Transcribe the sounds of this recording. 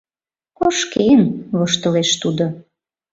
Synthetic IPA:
koʃkenβoʃt̪ə̆leʃt̪ud̪o

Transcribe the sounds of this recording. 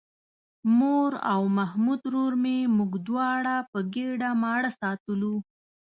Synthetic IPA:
moɾa̰wmahmud̪ɾoɾmemuɡd̪wɑɽapəɡeɖamɑɽasɑt̪əlu

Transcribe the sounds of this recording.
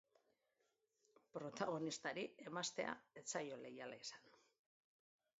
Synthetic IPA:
pɾo̞t̪aɣ̞o̞nist̪aɾie̞mast̪e̞a̰e̞t͡sajo̞le̞jalaisḁn

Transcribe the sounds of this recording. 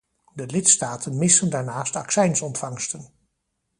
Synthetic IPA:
dəlɪtstaːtʰənmɪsəndaːɹnaːstɑksɛjnsɔntfɑŋstən

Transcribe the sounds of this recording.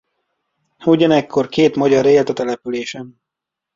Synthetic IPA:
uɟɒnɛkʰːo̞rkeːt̪mɒɟɒɾeːlt̪ɒt̪ɛlɛpyleːʃɛm

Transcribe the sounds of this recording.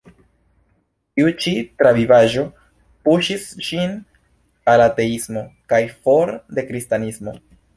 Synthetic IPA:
tiut͡ʃitɾavivaʒo̞ | puʃisʃin | alate̞ismo̞kajfo̞ɾde̞kɾistanismo̞̰

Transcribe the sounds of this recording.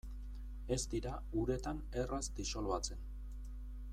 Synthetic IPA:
e̞st̪iɾa | uɾe̞t̪an | e̞razd̪iso̞lβat͡se̞n

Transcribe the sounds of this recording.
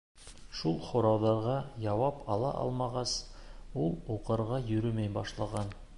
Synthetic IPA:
ʃulˠχŏɾɑwðɑɾʁɑjɑwɑpɑlˠɑ̰ʔɑ̰lˠmɑʁɑsulˠuqɤ̆ɾʁɑjɵ̆ɾɵmæjbɑʃlˠɑʁɑn

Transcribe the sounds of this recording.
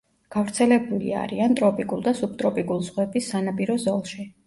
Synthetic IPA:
ɡ̥avɾt̪sʰɛlɛbulḭa̰ɾiant̪ʼɾɔpʼikʼulˠd̪asub̚t̪ʼɾɔpʼikʼulˠz̥ʁwɛbisːanapʼiɾɔzɔlˠʃi

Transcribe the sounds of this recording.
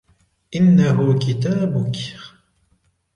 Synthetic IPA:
ʔɪnːaɦʊkɪt̪aːbʊk

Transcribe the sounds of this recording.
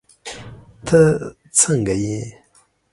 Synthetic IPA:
t̪ʰə | t͡sʰəŋɡəji

